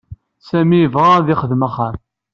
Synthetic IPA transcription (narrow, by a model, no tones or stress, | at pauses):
sæmiəvʁaðɪχəðmaχəɾ